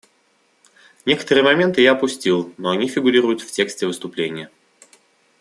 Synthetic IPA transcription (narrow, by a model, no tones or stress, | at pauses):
nʲe̞kə̥t̪əɾɨjəmɐmʲe̞nt̪ɨjaɐpʊsʲtʲilˠnoɐnʲifʲɪɡʊɾʲiɾʊjʊt̪ftʲe̞ksʲtʲɪvɨst̪ʊplʲenʲɪjə